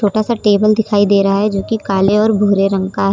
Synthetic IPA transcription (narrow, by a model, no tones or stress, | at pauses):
t͡ʃʰoːʈasaʈeːbəld̪ɪkʰaːid̪eːɾɐɦaɦɛd͡ʒoːkikaːleɔːɾbʱoːɾeɾə̃ŋkaɦɛː